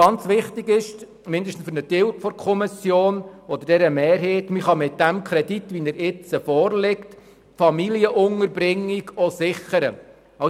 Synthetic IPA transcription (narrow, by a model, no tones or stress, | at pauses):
ɑnt͡sʋɪχtɪɡɪʃ | mɪndəʃtn̩sfʏrnətɪlkfɔɾkʰɔmɪsjoːnɔd̥̪əɾd̥ɛɾəmɛːɾɦeːtmiχɑmɪt̚d̥æmkʰɾɛditʋinəɾɪt͡səfɔːɾlɪkt | fɑmiliəʔʊŋəɾbɾɪŋːiɡɔsɪχəɾə | ɑ